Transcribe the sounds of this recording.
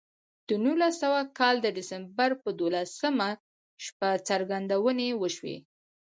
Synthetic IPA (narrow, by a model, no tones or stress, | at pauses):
d̪̥ənulasawakɑld̪əɖɪsambaɾpəd̪olasəma | ʃpat͡saɾɡand̪awənewəʃwḛ